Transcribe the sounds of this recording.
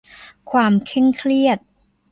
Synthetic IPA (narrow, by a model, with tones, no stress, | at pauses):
kʰwaː˧mkʰɛ˥˩ŋkʰli˥˩ət̪̚